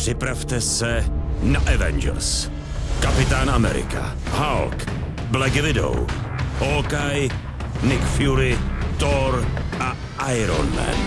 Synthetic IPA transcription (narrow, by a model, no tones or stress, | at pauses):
pr̥ɪpɾaft̪ɛsɛnaʔɛvɛ̰nd͡ʒɛ̰ɾs | kapɪt̪aːnamɛ̰ɾɪ̰ka̰ | halk | blɛɡɛvɪdo̰w | hokaj | nɪkfjuɾɪt̪oɾʔa | ʔajɾo̰nmɛ̰n